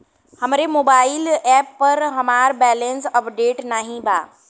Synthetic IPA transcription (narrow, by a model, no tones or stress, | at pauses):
hɐmɾemoːbaːɪlɛːpːɐɾɦɐmaːɾbɛːlə̃nsɐpɖeːʈnaːɦĩbʱaː